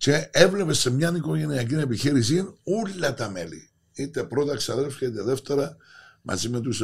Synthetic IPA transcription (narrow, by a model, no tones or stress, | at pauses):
ce̞evle̞pe̞sːemɲɐniko̞ʝe̞niɐcine̞piçiɾisinulːɐt̪ɐme̞̰lḭ | it̪epɾo̞t̪ɐksiɐðe̞lfçɐit̪eðe̞ft̪e̞ɾɐmʔɐ̰zimet̪us